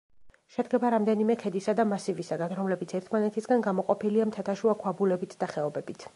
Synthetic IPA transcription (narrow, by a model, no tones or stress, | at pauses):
ʃɛd̪ɡɛbaɾamd̪ɛnimɛkʰɛd̪isad̪amasivisaɡanɾɔmlɛbit̪sʰɛɾt̪ʰmanɛt̪ʰisɡanɡamɔqʼɔpʰiliamt̪ʰat̪ʰaʃuakʰwabulɛbit̪ʰd̪aχɛɔbɛbit̪ʰ